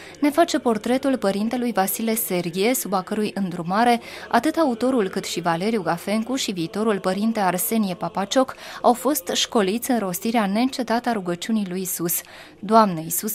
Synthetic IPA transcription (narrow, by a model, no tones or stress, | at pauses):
ne̞fat͡ʃe̞po̞rt̪ɾe̞t̪ulpəɾint̪e̞lujvasile̞se̞rɡʲie̞subakəɾujɨnd̪ɾumaɾe̞a̰t̪ɨt̪aut̪o̞ɾulkɨt̪ʃivale̞ɾijuɡafe̞ŋkuʃiviːt̪o̞ɾulpəɾint̪e̞arse̞nie̞papat͡ʃo̞kawfo̞st̪ʃko̞lit̪sʲɨnɾo̞st̪iɾeane̞ɨnt͡ʃe̞t̪at̪əaɾuɡət͡ʃunijlujisus | d̪oamnəisus